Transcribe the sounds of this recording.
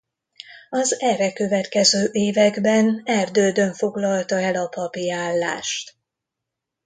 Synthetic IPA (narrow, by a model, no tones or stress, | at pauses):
ɒzɛrɛkø̞vɛt̪kɛzøːʔeːvɛɡbɛnɛrd̪øːd̪ø̞ɱfo̞ɡlɒlt̪ɒɛlɒpɒpiaːlːa̰ːʃt̪